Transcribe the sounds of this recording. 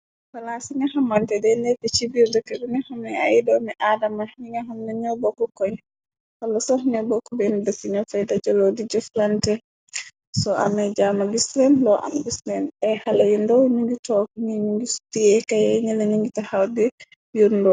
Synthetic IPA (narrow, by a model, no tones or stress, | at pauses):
falasiŋahamantɛdɛlɛtːɛt͡ʃibiɾdɔkɛɾunɛhɔmɛajidɔmɛʔadamaɲiŋaɦumnɛɲɔbɔkɔkɔɲ | halːasɔɦunɛbɔkːɔbɛndatiɲɔfajdad͡ʒɔlɔdid͡ʒɛflantɛ | sɔa̰mɛd͡ʒamabisɾɛnlɔʔa̰mbislɛnɛhalajundɔwɲuŋɡitɔkɲiɲuɡisu̥tiɛkajɛɲɛlaɲiŋɡitahawdɛ | jundɔ